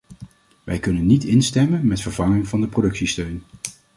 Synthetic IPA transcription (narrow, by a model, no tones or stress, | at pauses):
ʋʔɛ̰jkɵnənːitɪnstɛmənmɛtfəɹv̥ɑŋɪŋvɑndəprowdɵksistøɥn